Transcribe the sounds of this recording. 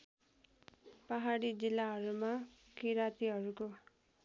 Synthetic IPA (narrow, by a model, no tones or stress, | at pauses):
paɦaɽid͡zilːaɦʌɾuma | kiɾat̪iɦʌɾuko